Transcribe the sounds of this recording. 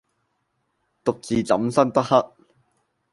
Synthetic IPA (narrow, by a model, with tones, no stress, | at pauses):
t̪ʊ˨k̚t͡siː˨t͡sɐ̰˨˥msɐ˥nt̪ɐ˥k̚hɐ˥k̚